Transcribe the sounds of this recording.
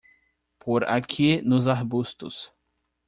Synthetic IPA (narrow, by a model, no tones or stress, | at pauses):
pʰoɾa̰kʰinʊzaɾbust̪ʊs